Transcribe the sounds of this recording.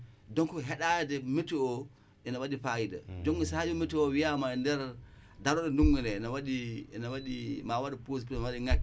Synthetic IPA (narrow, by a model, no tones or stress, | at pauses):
dɔŋkɔɦɛɗajdɛmitːuɔ | ɛnawaɗifajida̰d͡ʒoŋɡisad͡ʒɔmitːuɔwijamandɛɾ | daɾɔɗɔnduŋɡundɛɛnawaɗiɛnawaɗimawadipos̬pɾɛnawaɗiŋakːi